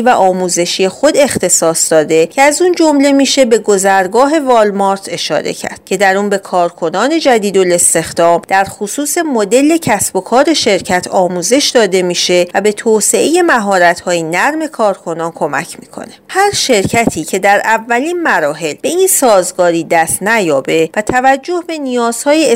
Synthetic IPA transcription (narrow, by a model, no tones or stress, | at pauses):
væʔɒːmuːze̞ʃije̞xo̞d̪e̞xt̪ʰe̞sɒːsd̪ɒːd̪e̞cʰeæzund͡ʒo̞mle̞miːʃe̞be̞ɡozæɾɡɒːɦe̞vɒːlmɒɾt̪ʰe̞ʃɒ̰ːɾe̞̰cʰæ̰ɾd̪̥̚cʰe̞d̪æɾunbe̞kʰɒːɾkʰo̞nɒːne̞d͡ʒæd̪iːd̪ole̞st̪e̞xd̪̥ɒːmd̪̥æɾxusuːse̞mod̪e̞le̞cʰæsbo̞kʰɒːɾeʃe̞ɾcʰæt̪ʰɒːmuːze̞ʃd̪ɒːd̪e̞miːʃe̞væbe̞t̪ʰoːse̞ʔe̞je̞mæɦɒːɾæt̪hɒːjinæɾme̞kʰɒːɾkʰo̞nɒːnkʰo̞mæ̰cʰmiːkʰo̞̰ne̞hæɾʃe̞ɾcʰæt̪ʰiːcʰe̞d̪æɾʔævːæliːnmæɾɒːɦe̞lbe̞insɒːzɡɒːɾiːd̪æst̪næjɒːbe̞væt̪ʰævæd͡ʒːo̞hbe̞nijɒːz̥hɒːje